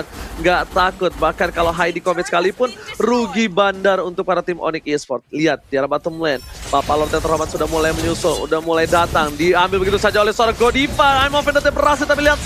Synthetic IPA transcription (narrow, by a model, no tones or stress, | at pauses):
t̪̚ŋɡat̪akʊt̪̚bahkankaloɦajdikomɛt̪̚sə̥kalipʊnruɡibandarunt̪ʊk̚paɾat̪ɪmʔo̰nɪkispɔrt̪̚liat̪̚diaɾabat̪əmlɛnpapalɔrt̪ɛt̪ərhɦomat̪sudahmulajməɲusʊlṵdahmulajdat̪aŋdiambɪlbəɡit̪usad͡ʒaolɛhsəoɾaɡodifaajmofɛndat̪abəɾas̬it̪apiliat̪̚